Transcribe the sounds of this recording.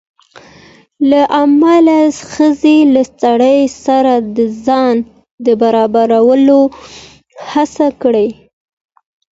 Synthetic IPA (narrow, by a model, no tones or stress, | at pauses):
laʔamalaxəzelasaɽəjsaɾad̪əzɑn | d̪əbaɾɑbaɾawəlo | hasakɽəj